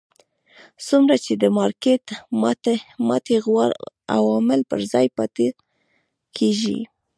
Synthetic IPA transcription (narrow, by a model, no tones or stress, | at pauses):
sumɾat͡ʃed̪əmɑɾket̪mat̪mat̪eɣwaɾ | a̰wɑmɪlpə̰ɾzɑjpat̪e | kʰeʒḭ